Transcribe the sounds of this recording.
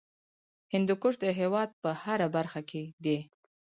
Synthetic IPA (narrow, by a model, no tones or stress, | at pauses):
hɪnd̪ukʊʂd̪əɦewɑd̪̚pəhaɾabaɾxakʰed̪e